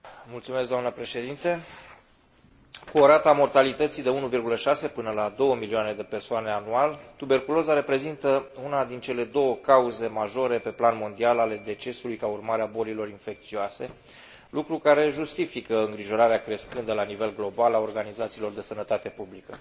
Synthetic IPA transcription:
mult̪sumesk̚ɡd̪oamnəpɾe̞ʃe̞d̪int̪e | kuoɾat̪amo̞rt̪alit̪ət̪sijd̪e̞unuvirɡuləʃase̞pɨnəlad̪o̞wəmilioane̞d̪e̞pe̞rsoane̞anualt̪ube̞rkulo̞zaɾe̞pɾe̞zint̪əunad̪int͡ʃe̞le̞d̪o̞wəkauze̞maʒo̞ɾe̞pe̞planmo̞nd̪ialale̞d̪e̞t͡ʃe̞sulujkaurmaɾeabo̞lilo̞ɾinfe̞k̚t̪sioase̞ | lukɾukaɾe̞ʒust̪ifikəɨŋɡɾiʒo̞ɾaɾeakɾe̞skɨnd̪əlanive̞lɡlo̞balao̞rɡanizat̪silo̞rd̪e̞sənət̪at̪e̞publikə

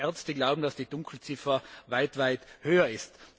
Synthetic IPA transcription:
ɛɐt͡stəɡlaʊbm̩dasd̥iːdʊŋkʰl̩t͡sɪfɐvaɪtv̥aɪthøːɐɪst

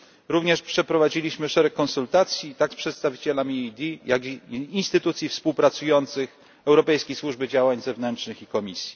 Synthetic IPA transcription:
ɾuvɲɛʂpʂɛpɾɔvad͡ʑilʲiɕmɘʂɛɾɛkːɔnsult̪at̪sʲjit̪akspʂɛt̪st̪avʲit͡ɕɛlamʲid̪ʲijaɡiːnst̪ɘt̪ut̪sʲjifspuwpɾat̪sujɔnt̪sɘx | ɛwɾɔpɛjskʲejswuʐbɘd͡ʑawaɲzɛvnɛntʂnɘxikɔmʲisʲji̥

